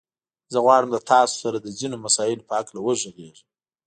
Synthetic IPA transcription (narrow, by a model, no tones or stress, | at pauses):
zəɣwɑɽəmd̪ət̪ʰɑso̥saɾad̪əzinomasɑjɪlopəaklawəʒoɣeʐə